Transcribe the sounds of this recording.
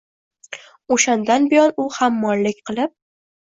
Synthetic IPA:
oʃand̪anbɪjɒnʊhamːɒnlɪk̚ʲqʰɨlˠɪp̚

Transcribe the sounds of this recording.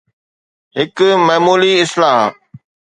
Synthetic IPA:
ɦɪkmɐɦmuːliɪslaːɦ

